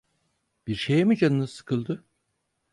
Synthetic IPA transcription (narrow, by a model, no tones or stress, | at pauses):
b̥iɾʃejimid͡ʒanɯnɯz̥sɯ̥kʰɯlˠd̪ɯ